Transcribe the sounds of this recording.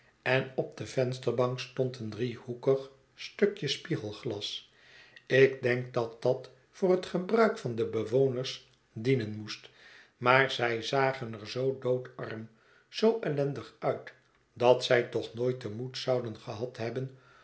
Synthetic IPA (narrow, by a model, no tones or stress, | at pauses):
ɛnɔb̚dəv̥ɛnstərbɑŋkstɔntəndrihukəχ | støkjəspiχəlˠχlɑs | ɪɡ̚dɛŋk̚dɑt̚d̥ɑt | fʊːrɦətχəbrœɥkfɑndəbəʋownərs | dinənmust | maːɹzɛjzaːχənəɹzowdowtɑ̰rm | z̥owʔɛlɛndəχœɥt | d̥ɑtsɛjtɔχnoːjtəmutsɑwdənχəɦɑtɦɛbən